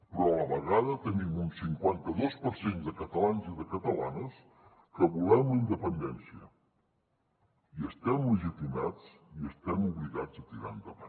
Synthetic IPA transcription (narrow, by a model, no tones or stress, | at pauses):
pɾɔələβəɣaðət̪ənimunsiŋkwant̪əðospəɾsend̪əkət̪əlanziðəkət̪əla̰nəs | kəβulɛmləind̪əpənd̪ɛnsiə | iəst̪ɛmləʒit̪imad͡ziəst̪ɛmuβliɣad͡zət̪iɾa̰nd̪əβan